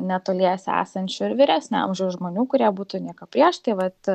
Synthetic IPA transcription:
nʲɛt̪oːlʲiɛsʲæ̰ːsɐnʲt͡ʃʲʊɪɾʋʲɪɾʲæːsʲnʲʊɐ̰mʒʲɛʊʒmoːnʲuːkʊɾʲiɛbuːt̪ʊnʲiɛkɐpʲɾʲiɛʃt̪ɐɪʋɐt̪

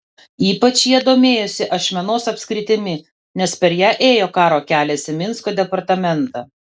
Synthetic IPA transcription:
iːpɐt͡ʃjiɛd̪oːmʲeːjʊsʲɪʔɐʃʲmʲɛnoːsɐpʲsʲkɾʲɪt̪ʲɪmʲɪ | nʲɛspʲɛɾjæːʔeːjoːkɑːɾoːkʲæːlʲɛsʲɪmʲɪnskoːd̪ʲɛpɐɾt̪ɐmʲɛnt̪ɑ

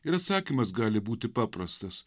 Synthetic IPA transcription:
ɪɾɐt̪sɑːkʲimɐsɡɑːlʲɪbuːt̪ʲɪpɑːpɾɐst̪ɐs

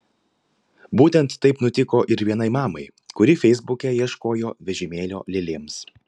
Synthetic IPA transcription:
buːt̪ʲɛnt̪ːɐɪpnʊt̪ʲɪkoːʔɪɾʋʲiɛnɐɪmɑːmɐɪ | kʊɾʲɪfʲɛɪzbʊkʲɛjiɛʃkoːjoːʋʲɛʒʲɪmʲeːlʲo̰ːlʲɪlʲeːms

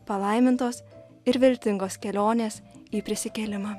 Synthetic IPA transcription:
pɐlˠɐɪmʲɪnt̪oːs | ɪɾʋʲɪlʲt̪ʲɪŋɡoːskʲɛlʲoːnʲeːsiːpʲɾʲɪsʲɪkʲɛlʲɪmɑː

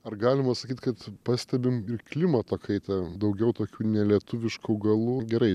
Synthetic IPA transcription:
ɐrɡɑːlʲɪmɐsɐkʲiːt̪kɐt̪pɑːsʲt̪ʲɛbʲɪmɪrklʲɪmɐt̪oːkʰɐɪt̪ɑd̪ɐʊɡʲɛʊt̪oːkʲuːnʲɛlʲiɛt̪ʊʋʲɪʃkuːɡɐlˠuːɡʲɛɾɐɪ

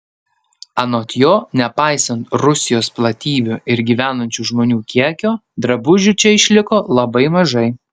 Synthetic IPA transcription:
ɐnoːt̪ʲjoːnʲɛpɑˑɪsɐnt̪ɾʊsʲɪjoːsplˠɐt̪ʲiːbʲʊɪɾɡʲiːʋʲæːnɐnʲt͡ʃʲuːʒmoːnʲuːkʲiɛkʲoːd̪ɾɐbʊʒʲʊt͡ʃʲɛɪʃʲlʲɪkoːlˠɐbɐɪmɐʒɐɪ

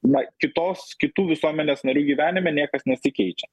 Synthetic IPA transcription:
nɐkʲɪt̪oːskʲɪt̪uːʋʲɪsuɔmʲɛnʲeːsnɐɾʲuːɡʲiːʋʲæːnʲɪmʲɛnʲiɛkɐsnʲɛsʲɪkʲɛɪt͡ʃʲɛ

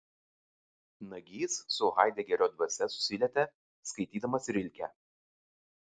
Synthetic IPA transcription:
nɐɡʲiːssʊɣɑˑɪd̪ʲɛːɡʲɛɾʲoːd̪ʋɐsʲɛsʊ̥sʲɪlʲɛt̪ʲɛ | skɐɪt̪ʲiːd̪ɐmɐsɪɾʲɪlʲkʲæː

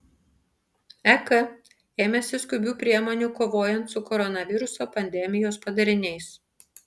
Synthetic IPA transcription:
ɛkɐ | eːmʲɛsʲɪskʊbʲuːpʲɾʲiɛmoːnʲuːkoːʋoːjɛnt̪sʊkɔɾɔnɐʋʲɪɾʊsoːpɐnʲd̪ʲɛmʲɪjoːspɐd̪ɐɾʲɪnʲɛɪs

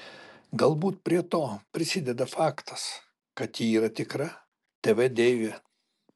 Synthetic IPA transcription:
ɡɐlˠbuːt̪̚pʲɾʲiɛt̪oːpʲɾʲɪsʲɪd̪ʲɛd̪ɐfɑːkt̪ɐ̥s | kɐt̪jiːiːɾɐt̪ʲɪkɾɐ | t̪ʲɛʋʲɛd̪ʲeːʋʲɛ

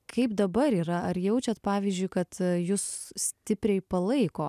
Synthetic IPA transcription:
kʰɐɪpd̪ɐbɐɾiːɾɐɐɾjɛʊt͡ʃʲɛt̪pɑːʋʲiːzʲd͡ʒʲʊɪkɐt̪jʊssʲt̪ʲɪpʲɾʲɛɪpɐlˠɐɪkoː

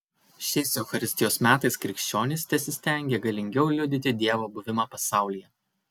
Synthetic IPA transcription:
ʃʲɛɪsɛʊxɐɾʲɪsʲt̪ʲɪjoːsmʲæːt̪ɐɪskɾʲɪkʃʲt͡ʃʲoːnʲɪsʲt̪ʲɛsʲɪsʲt̪ʲɛˑŋʲɡʲeːɡɐlʲɪŋʲɡʲɛʊlʲʊd̪ʲɪt̪ʲɪd̪ʲiɛʋoːbʊʋʲɪmɑːpɐsɑˑʊlʲijɛ

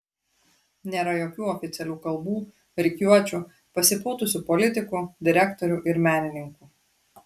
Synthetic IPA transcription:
nʲeːɾɐjoːkʲuːɔfʲɪt̪sʲɛlʲuːkɐlˠbuː | ɾʲɪkʲjuɔt͡ʃʲu | pɐsʲɪpʊːt̪ʊsʲuːpɔlʲɪt̪ʲɪkuːd̪ʲɪɾʲækt̪ɔɾʲuˑʔɪɾmʲæːnʲɪnʲɪŋkuː

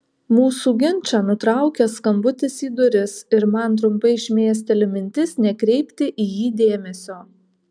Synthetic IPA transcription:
muːsuːɡʲɪnʲˑt͡ʃʲɑːnʊt̪ɾɑˑʊkʲɛskɐmbʊt̪ʲɪsiːd̪ʊɾʲɪsɪɾmɐnt̪̬ɾʊmpɐɪɪʃʲmʲeːɛs̬ʲt̪ʲɪɛlʲɪmʲɪnʲt̪ʲɪsnʲɛkɾʲɛɪpʲt̪ʲɪʔiːjiːd̪ʲeːmʲɛsʲoː

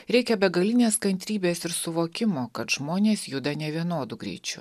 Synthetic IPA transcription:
ɾʲɛɪkʲɛbʲɛɡɐlʲɪnʲeːskɐnʲt̪ʲɾʲiːbʲeːsɪɾsʊʋoːkʲɪmoːkɐt̪ʒ̥moːnʲeːsjʊd̪ɐnʲɛʋʲiɛnoːd̪ʊɡɾʲɛ̰ɪt͡ʃʲʊ

